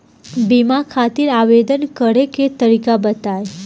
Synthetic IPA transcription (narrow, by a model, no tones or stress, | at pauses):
bimakʰat̪iɾaʋed̪ənkəɾeket̪əɾikabət̪ae